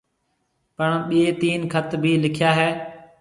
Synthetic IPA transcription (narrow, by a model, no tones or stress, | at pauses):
pəɳɓieːt̪iːnkʰət̪bʱiːlɪkʰɪjaːɦɛː